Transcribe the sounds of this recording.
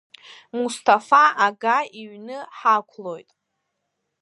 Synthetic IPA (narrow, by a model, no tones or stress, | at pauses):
mustʰafaaɡaiɥnɨħakʷʰlo̞jtʼ